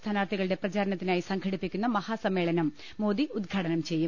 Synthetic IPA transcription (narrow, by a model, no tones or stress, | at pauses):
t̪ʰaːnaːrt̪ʰiɣɐɭɨɽe̞prɐt͡ɕaːɾɐnɐt̪ːinaːjisɐŋɡʰʱɐɽipːikʲːunːɐmɐhaːsɐmːe̞ːɭɐnɐmː | o̞ːd̪iud̪̚ɡʰʱaːɽɐnɐmt͡ɕe̞jːum